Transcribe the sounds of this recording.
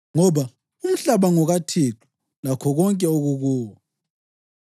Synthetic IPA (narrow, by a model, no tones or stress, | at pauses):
ŋɔβa | um̩ɬaβaŋɔɣatʰeǁʰu̥ | lakʰɔɣɔŋkʼɛoɣuɣuːwa